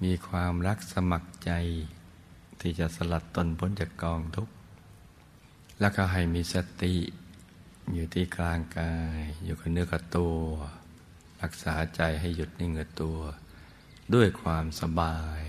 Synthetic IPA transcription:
miː˧˥kʰwaː˧mɾa˦˧˥k̚sa˧ma˧k̚t͡ɕa˧j | t̪ʰiː˧˩t͡ɕa˧˨ʔsa˧la˧˩t̪ːo˧˨nbʰo˧˥˦nt͡ɕa˧˩kɔː˧˩ŋd̪u˧˦k̚ | lɛ˧˥˨kʰa˧˩ɦa˨˩jmiː˧˥sa˧t̪i˧˨ʔ | juː˧˩t̪ʰiː˧˨kʰlaː˧ŋkaː˧jjuː˧˩kʰa˧˩nɯ˧˨ka˧˩t̪u˧ | ɾa˧˥k̚saː˩˦t͡ɕa˨˩jɦa˧˩jːu˧˦t̪̚na˧˩˨ŋɯ˧˩˨t̪u˧ɐ | du˧˥˩əjkʰwaː˧msa˧baː˧j

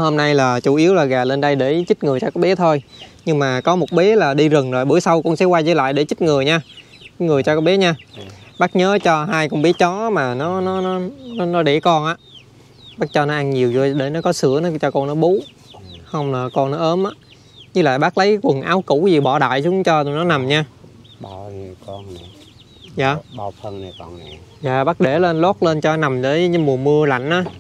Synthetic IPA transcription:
ho˧mna˧jlaː˨˩t͡ɕu˧˩ʔi˨˦əwlaː˨˩ɣaː˨˩le˧nɗə˧jɗe˧˩t͡ɕi˦˥t̚ŋɨ˨˩əjt͡ɕɔ˧kɔ˨˦ɓɛ˨˦t̪ʰo˧jɲɨ˧ŋmaː˨˩kɔ˨˦mo˨˩t̚ɓe˨˦laː˨˩ɗi˧zɨ˨˩ŋzo˨˩jɓɨ˧˩əjsa˧wkɔ˧nsɛ̰˧˥kwaː˧jzə̰˧˦la̰ː˧˨jɗe˧˩t͡ɕï˦˥t̚ŋɨ˨˩əjɲaː˧˨˦ | ŋɨ˨˩əjt͡ɕɔ˧kɔː˨˥ɓe˨˦ɲaː˧ɓaː˦˥k̚ɲəː˨˦t͡ɕɔ˧ɦaː˧jkɔ˧nɓi˨˦ət͡ɕɔ˨˦maː˨˩nɔ˨˦nɔ˨˦nɔ˨˦n˨˦nɔ˨˦ɗe˧˩kɔ˧nʔaː˨˧˦ | ɓaː˦˥t̚t͡ɕɔ˧nɔ˨˦ʔa˧ŋɲi˨˩əwzo˧jɗe˧˩n˨˦kɔ˨˦sɨ˧˩˥ənɔ˨˦t͡ɕɔ˧kɔ˧nnɔ˨˦ɓu˨˦ | hə˧wŋ͡mla˨˩kɔ˧nnɔ˨˦ʔəː˨˦mʔaː˨˦ | ɲɨ˦˥la̰ː˧˨jɓaː˦˥k̚lə˨˦jkkwə˨˩nʔaː˨˦wkṵ˧˩˥zi˨˩ɓɔ˧˩˦ɗa̰ː˧˨jsu˨˦ŋ͡mt͡ɕɔ˧˨nɔ˨˦na˨˩mɲaː˧ | ɓa˧˩ɲi˨˩əwkɔ˧n˨˩ | za̰ː˨ɓa˧˩wt̪ʰə˧nna˨˩kɔ˧n˨˩zaː˨˩ɓaː˦˥k̚ɗe˧˩le˧nlɔː˦˥t̚le˧nt͡ɕɔ˧na˨˩mt̪əː˨˦jɲ˨˦mu˨˩əmɨ˧əla̰˧˨jŋ̟ʔaː˨˦

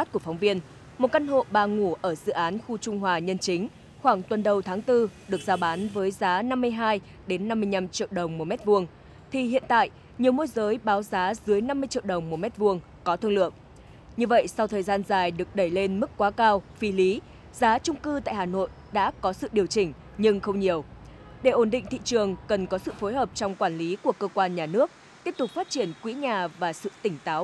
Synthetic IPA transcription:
t̚ku˧˩əfa˨˦ŋ͡mvi˧ən | mo˨˩t̚ka˧nɦo̰˧˨ɓaː˧˩ŋu˧˩ʔəː˧˩zɨ̰˧˨ʔaː˨˦nxu˧t͡ɕʊ˧ŋ͡mɦwaː˨˩ɲə˧nt͡ɕï˨˦ŋ̟ | xwaː˧˩ŋt̪wə˨˩nɗə˨˩wt̪ʰaː˨˦ŋt̪ɨ˧ɗɨ˨˩ək̚zaː˨˦ɓaː˨˦nvəː˨˦jzaː˨˦na˧mːɨ˧əjɦaː˧j | ɗe˨˦nːa˧mːɨ˧əjɲa˧mt͡ɕḭ˧˨əwɗə˨˩wŋ͡mmo˨˩mɛ˦˥t̚vu˧əŋ | t̪ʰi˨˩hḭ˧˨ənt̪a̰ː˧˨jʔ | ɲi˨˩əwmo˧jzəː˨˦jɓaː˨˦wzaː˨˦zɨ˨˦əjna˧mːɨ˧əjt͡ɕḭ˧˨əwɗə˨˩wŋ͡mmo˨˩mɛ˦˥t̚vu˧əŋ | kɔ˨˦t̪ʰɨ˧ŋlɨ̰˧˨əŋ̚ | ɲɨ˧və̰˧˨jsa˧wt̪ʰəː˨˩jzaː˧nzaː˨˩jɗɨ˨˩ək̚ɗə˧˩jle˧nmɨ˦˥k̚kːwaː˨˦kaː˧wfi˨˦li˨˦ | zaː˨˦t͡ɕʊ˧ŋ͡mkɨ˧t̪a̰ː˧˨jɦaː˨˩no̰˧˨j | ɗa̰ː˧˥kɔ˨˦sɨ̰˧˨ɗi˨˩əwt͡ɕï˧˩ŋ̟ | ɲɨ˧ŋxə˧wŋ͡mɲi˨˩əw | ɗe˧˩ʔo˧˩nɗḭ˧˨ŋ̟t̪ḭ˧˨t͡ɕɨ˨˩əŋkə˨˩nkɔ˨˦sɨ̰˧˨fo˨˦jɦəː˨˩p̚t͡ɕɔ˧wŋ͡mkwaː˧˩nli˨˦ku˧˩əkəː˧kwaː˧nɲaː˨˩nɨ˦˥ək̚ | t̪i˦˥əp̚t̪ʊ˨˩k͡p̚faː˦˥t̚t͡ɕi˧˩ənkwḭ˧˥ɲaː˨˩vaː˨˩sɨ̰˧˨t̪ï˧˩ŋ̟t̪aː˨˦w

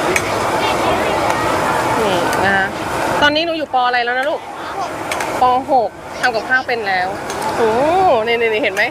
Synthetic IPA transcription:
niː˧˩na˧˥t̪ɔː˧nːiː˦˥nuː˧juː˨˩pɔː˧ʔɾa˧jlɛː˦˥wna˦˥luː˥˩k̚ | pɔː˧ɦo˨˩k̚ | t̪ʰa˧mka˨˩p̚kʰaː˥˩wpe˧nlɛː˦˥wʔoː˧˩niː˧˩niː˧˩niː˧˩he˨˩˦nma˦˥j

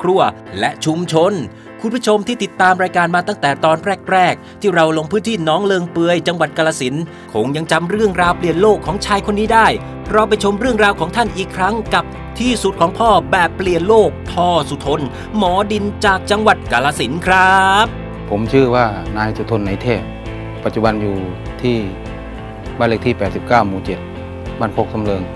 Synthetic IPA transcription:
kʰɾu˧˩ɐ | lɛ˦˥ʔt͡ɕʰu˧mt͡ɕʰo˧n | kʰu˧npʰːt͡ɕʰo˧mt̪ʰiː˥˩t̪i˨˩t̪ːaː˧mɾaː˧jkaː˧nmaː˧t̪a˥˩ŋt̪ɛː˨˩t̪ɔː˧nɾɛː˥˩k̚ɾɛː˥˩k̚t̪ʰiː˥˩ɾa˧wlo˧ŋpʰɯː˦˥˩nt̪ʰiː˥˩nɔː˦˥ŋlɤː˧ŋpɯ˧əjt͡ɕa˧ŋwa˨˩t̪̚kaː˧laː˧si˨˩˦n | kʰo˧ŋja˧ŋt͡ɕa˧mɾɯ˥˩əŋɾaː˧wpli˨˩ənloː˥˩kʰːɔː˩˦ŋt͡ɕʰaː˧jkʰo˧nːiː˦˥daː˥˩j | ɾa˧˩wp̬a˧jt͡ɕʰo˧mɾɯ˥˩əŋɾaː˧wkʰɔː˩˦ŋt̪ʰa˥˩nʔiː˨˩kʰɾa˦˥ŋka˨˩p̚ | t̪ʰiː˥˩su˨˩t̪̚kʰɔː˩˦ŋpʰɔː˥˩bɛː˨˩pːli˨˩ənloː˥˩k̚p̪ʰɔː˧su˨˧˩t̪ʰo˧n | mɔː˩˦di˧nt͡ɕaː˨˩k̚t͡ɕa˧ŋwa˨˩t̪̚kaː˧laː˧si˩˦nkʰɾa˦˥p̚ | pʰo˩˦mt͡ɕʰɯː˥˩waː˥˩naː˧jsu˨˩t̪ʰo˧nːa˧˥jt̪ʰeː˥˩ | pa˨˩t̪̚t͡ɕu˨˩ba˧njuː˨˩ | t̪ʰiː˥˩ | baː˥˩le˧˥˩t̪ʰiː˥˩pɛː˨˩t̪̚si˨˩p̚kaː˥˩wmuː˧˩t͡ɕe˨˩t̪̚ | baː˥˩nkʰo˧˥k̚so˧˥mlɤː˧ŋ

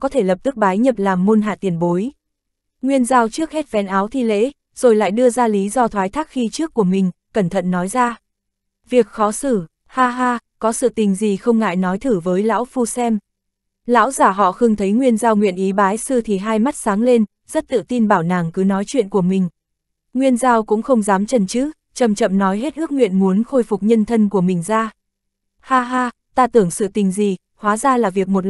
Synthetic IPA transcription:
kɔ˨˦t̪ʰe˧˩lə˨˩p̚t̪ɨ˦˥k̚ɓaː˨˦jɲə˨˩p̚laː˨˩mːu˧nɦa̰ː˧˨t̪i˨˩ənɓo˨˦j | ŋwi˧ənzaː˧wt͡ɕɨ˦˥ək̚hɛ˦˥t̚vɛ̰˧˥nʔaː˨˦wt̪ʰi˧lḛ˧˥ | z̥o˨˩jla̰ː˧˨jɗɨ˧əzaː˧li˨˦zɔ˧t̪ʰwaː˨˦jt̪ʰaː˦˥k̚xi˧t͡ɕɨ˦˥əkːu˧˩əmï˨˩ŋ̟kə˧˩nt̪ʰə̰˧˨nːɔ˨˦jzaː˧ | vi˨˩ək̚xɔ˨˦sɨ˧˩ | haː˧ɦaː˧kɔ˨˦sɨ̰˧˨t̪ï˨˩ŋ̟zi˨˩xə˧wŋ͡mŋa̰ː˧˨jnɔ˨˦jt̪ʰɨ˧˩vəː˨˦jla̰ː˧˥wfu˧sɛ˧m | la̰ː˧˥wzaː˧˩ɦɔ̰˧˨xɨ˨˧əŋt̪ʰə˨˦jŋwi˧ənzaː˧wŋwḭ˧˨ənʔi˨˦ɓaː˨˦jsɨ˧t̪ʰi˨˩ɦaː˧jma˦˥t̚saː˨˦ŋle˧n | zə˦˥t̚t̪ɨ̰˧˨t̪i˧nɓaː˧˩wna̰ː˨˩ŋkɨ˨˦nɔ˨˦jt͡ɕwḭ˧˨ənku˧˩əmï˨˩ŋ̟ | ŋwi˧ənzaː˧wkʊ̰˧˥ŋ͡mxə˧wŋ͡mzaː˨˦mt͡ɕə˨˩nt͡ɕɨ˦˥ | t͡ɕə˨˩mt͡ɕə̰˧˨mnɔ˨˦jɦe˦˥t̚ʔɨ˦˥k̚ŋwḭ˧˨ənmu˨˦ənxo˧jfʊ˨˩k͡p̚ɲə˧nt̪ʰə˧nku˧˩əmï˨˩ŋ̟zaː˧ | haː˧ɦaː˧ | t̪aː˧t̪ɨ˧˩əŋsɨ̰˧˨t̪ï˨˩ŋ̟zi˨˩ | hwaː˨˦zaː˧laː˨˩vi˨˩ək̚mo˨˩t̚

